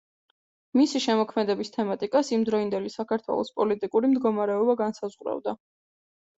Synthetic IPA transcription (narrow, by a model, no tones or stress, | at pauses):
misiʃɛmɔkʰmɛd̪ɛbist̪ʰɛmat̪ʼikʼasimd̪ɾɔind̪ɛlisakʰaɾt̪ʰwɛ̰lˠɔ̰spʼɔlit̪ʼikʼuɾimd̪ɡɔmaɾɛɔbaɡansazʁɾa̰vd̪a